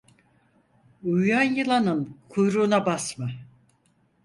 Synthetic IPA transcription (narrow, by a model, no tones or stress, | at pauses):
ujjanjɯlˠanɯnkʰujɾuːnabasma